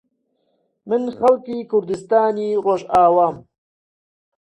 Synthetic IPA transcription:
mɨnxɐlkiːkʊɾd̪ɨst̪aːniːroːʒaːwaːm

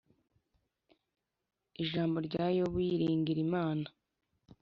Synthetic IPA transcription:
iʒaːmbo̞ɾɟaːjoβwiɾiːŋɡiɾimaːna

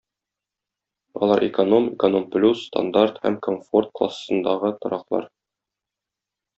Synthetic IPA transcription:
ɒ̰lˠɑɾʔɪkono̞mɪkono̞mplʲusːt̪a̰nd̪art̪hæmkomfo̞rt̪̚klˠa̰ssɤ̆nd̪ɑʁɤt̪ŏɾɑqlˠɑ̰ɾ

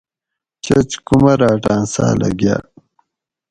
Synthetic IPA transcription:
t͡ɕɐt͡ɕkumɐɾaːʈaːnsa̰ːlɐ̰ɡja̰ː

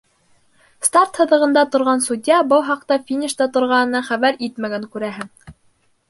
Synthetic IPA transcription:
st̪art̪hɤ̆ðɤ̆ʁɤ̆nd̪ɑt̪ŏɾʁɑnsud̪ʲjɑbɤlˠɦɑq̚t̪ɑfʲinʲiʃt̪ɑt̪ŏɾʁɑnɤ̆nɑχæβæɾit̪mæɡæŋkʉɾæɦɘŋ

